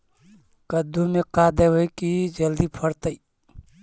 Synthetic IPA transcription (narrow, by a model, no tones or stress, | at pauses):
kəd̪ʱːumekad̪eʋəjkid͡ʒəld̪ipʰəɾt̪əi